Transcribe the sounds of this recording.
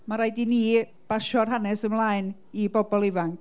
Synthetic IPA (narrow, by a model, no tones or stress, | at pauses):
maɾajdini | b̥aʃɔrɦanɛsəmlˠaːɨn | ibɔbɔlˠɪvaŋkʰ